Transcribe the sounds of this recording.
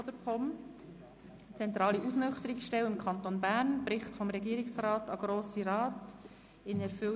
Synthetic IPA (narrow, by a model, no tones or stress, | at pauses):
d̥̪əɾpʰɔm | t͡sɛnt̪ɾɑːliʔusnœχtəɾɪksʃtɛwɪmkʰɑnt̪onbæːɾnb̥ɾɪχtfɔmɾɛɡiːɾɪksɾɑːtɑɡ̥ɾoːsiɾɑːt | ɪnɛɾfʏl